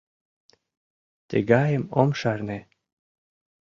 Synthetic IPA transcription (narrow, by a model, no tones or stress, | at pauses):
t̪ḛɡɑjemomʃɑrne